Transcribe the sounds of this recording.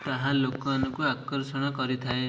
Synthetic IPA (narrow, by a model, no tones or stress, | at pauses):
t̪aɦãlokɔanɔkuakɔɾsɔɽ̃ɔkɔɾit̪ʰae